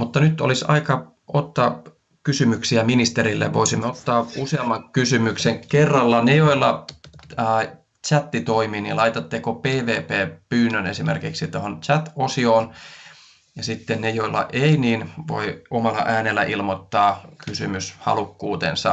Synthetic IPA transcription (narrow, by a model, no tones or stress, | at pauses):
mut̪ːɑnyt̪o̰lisɑ̰ikɑ | ot̪ːɑ | kysymyksiæminist̪eɾilːḛʋoisimːeot̪ːɑːuseɑmːɑŋkysymykseŋkerːɑlːɑnejoilːɑ | t͡ʃæt̪ːit̪oimiːnḭlɑit̪ɑt̪ːekopeːʋeːpeːpyːnːønesimḛrkiksit̪ohont͡ʃæt̪osioːn | jɑsit̪ːennejoilːɑ̰ʔeiniːnʋo̰iomɑlːɑ̰ʔæːnelːæ̰ʔilmot̪ːɑːkysymyshɑ̰lukːuːt̪ḛnsɑ